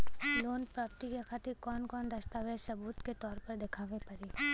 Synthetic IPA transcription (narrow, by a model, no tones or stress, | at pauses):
loːnpɾaːpt̪ikexʰaːt̪ɪɾkɔːnkɔːnd̪ɐst̪aːʋeːɾsɐbuːt̪ket̪ɔːɾpɐɾd̪ɪkʰaːʋepɐɾiː